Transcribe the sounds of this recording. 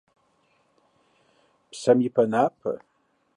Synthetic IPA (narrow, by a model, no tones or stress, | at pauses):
pʰsamipʰɐnapʰɨ̰